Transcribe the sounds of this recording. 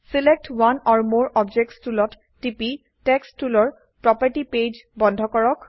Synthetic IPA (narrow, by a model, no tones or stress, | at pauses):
silek̚twanɔɹmoɹɔbd͡ʒɛk̚tstulɔtːipi | tɛkstulɔɹ | pɹɔpaɹʈiped͡ʒbɔndʱɔkɔɹɔk